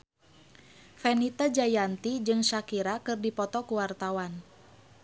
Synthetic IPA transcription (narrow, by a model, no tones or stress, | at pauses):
fɛnit̪ad͡ʒajant̪id͡ʒɨŋʃakiɾakɨrdipɔt̪ɔkuwart̪awan